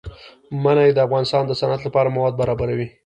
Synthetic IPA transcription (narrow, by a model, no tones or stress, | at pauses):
manajed̪əafɣɑnɪst̪ɑnd̪əsanat̪lapɑɾamawɑd̪̚baɾɑbaɾawi